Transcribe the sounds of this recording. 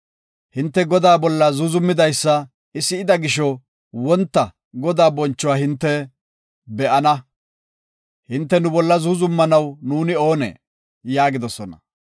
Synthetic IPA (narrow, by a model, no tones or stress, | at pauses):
hɪnt̪ːɛɡɔd̪aːbɔlːɐzʊzʊmːɪd̪ɐjsːɐ | ɪsːɪɪd̪ɐɡɪʃɔ | wɔnt̪ːɐ | ɡɔd̪aːbɔnt͡ʃːɔwaːhɪnt̪ːɛ | bɛʔɐnɐ | hɪnt̪ːɛnʊbɔlːɐzʊzʊmːɐnɐwnuːnɪo̞ːnḛː | jaːɡɪd̪ɔsɔnɐ̰